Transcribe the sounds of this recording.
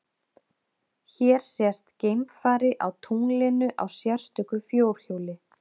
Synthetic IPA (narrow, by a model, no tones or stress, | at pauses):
çɛɾ̥sɛst̪cejmpfaːɾɪʔawt̪ʰuŋlɪnʏʔa̰wsjar̥st̪ʏkʏfjoːwɾ̥çoːwlɪ